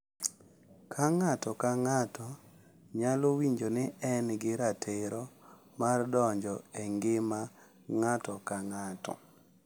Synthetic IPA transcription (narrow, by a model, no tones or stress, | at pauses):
kʰaŋatɔkaŋatɔ | ɲalowiɲd͡ʒonɪɛnɡɪɾatʰeɾɔ | mardɔɲd͡ʒɔeŋɡɪma | ŋatɔkaŋatɔ̰